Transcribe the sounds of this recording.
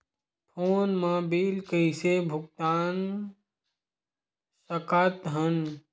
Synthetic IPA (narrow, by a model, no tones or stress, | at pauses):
pʰoːnmãːbiːlkəɪsebʱʊk̚t̪aːn | səkaːt̪ɦən